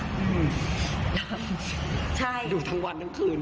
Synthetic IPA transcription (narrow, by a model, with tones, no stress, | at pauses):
ʔɯː˧˩m | t͡ɕʰa˥˩jduː˧t̪ʰaː˦˥ŋwa˧nːa˦˥nkʰɯː˧n